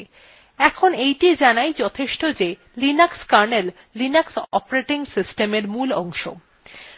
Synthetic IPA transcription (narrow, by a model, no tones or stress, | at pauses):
ɛkʰonejʈid͡ʑanajd͡ʑɔt̪ʰeʃʈod͡ʑe | linakskaɾnelː | inaksɔ̰pɾeʈiŋsisʈemeɾmulɔŋʃo̰